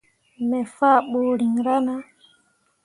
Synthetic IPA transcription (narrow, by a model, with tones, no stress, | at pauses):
mɛ˨fa˦˨ɓo˨ɾi˨ŋ˨ɾa˦na˦